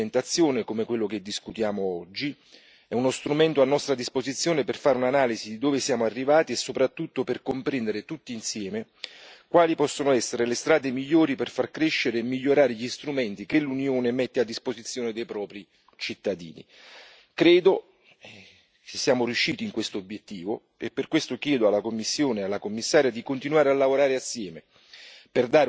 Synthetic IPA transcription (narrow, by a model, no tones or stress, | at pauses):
ent̪at̪sːjoːnekomekwelːok̟ed̪ːiskut̪jaːmoɔd͡ʒːi | ɛunost̪ɾumɛnt̪oanːɔst̪ɾad̪ispozit̪sːjoːneperfaːɾeunanaːlizid̪id̪oːvesjaːmoarːivaːt̪iesːopɾat̪ːut̪ːoperkompɾɛnd̪eɾet̪ut̪ːiːnsjɛːme | kwaːlipɔsːonoɛsːeɾelest̪ɾaːd̪emiʎːoːɾiperfarkɾeʃːeɾeːmːiʎːoɾaːɾeʎist̪ɾumɛnt̪ikelunjoːnemɛt̪ːead̪ːispozit̪sːjoːned̪ejpɾɔːpɾi | t͡ʃit̪ːad̪ḭːnḭ | kɾeːd̪o | kesːjaːmorjuʃːiːt̪iŋkwest̪oobjet̪ːiːvo | ḛpːerkːwest̪okjɛːd̪oalːakomːisːjoːnealːakomːisːaːɾjad̪ikont̪inuaːɾealːavoɾaːɾeasːjɛːme | perd̪aːɾ